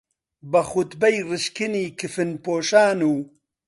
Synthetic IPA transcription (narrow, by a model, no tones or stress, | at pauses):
bɐxut̪bɛjrɨʃkɨniːkʰɨfɨnpoːʃaːnuː